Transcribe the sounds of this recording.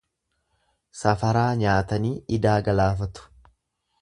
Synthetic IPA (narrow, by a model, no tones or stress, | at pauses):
sɐfɐɾaːɲaːt̪ɐniːʔɪd̪aːɡɐlaːfɐt̪ʊ̥